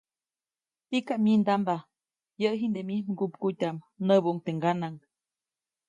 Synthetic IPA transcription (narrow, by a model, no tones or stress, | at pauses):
t̪ikaʔmind̪amba | jəʔɦind̪emihmɡupkut̪ʲam | nəbuʔuŋt̪eŋɡanaŋ